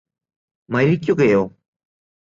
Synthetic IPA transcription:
mɐɾik̬ʲːuɣɐjoː

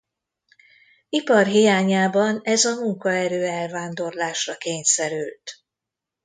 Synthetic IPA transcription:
ipɒrɦijaːɲaːbɒnɛzɒmuŋkɒɛɾøːɛlvaːnd̪o̞rlaːʃrɒkeːɲsɛɾylt̪

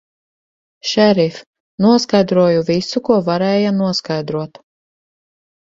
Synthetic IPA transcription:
ʃɛɾif | nuɔskajd̪ɾuɔjuvʲisukuɔvaɾɛːjanuɔskajd̪ɾuɔt̪

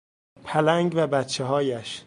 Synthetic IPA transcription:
pʰælæŋɡvæbæt̪t͡ʃʰeɦɒːjæʃ

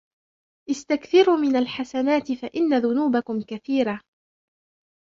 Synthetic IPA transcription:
ʔɪst̪akθɪɾuːmɪnalħasanaːt̪ɪfaʔɪnːaðʊnuːbakʊmkaθiːɾa

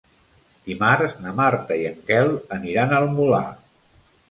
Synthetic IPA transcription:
d̪imaɾznəmaɾt̪əiəŋkɛlˠəniɾanəlˠmula̰

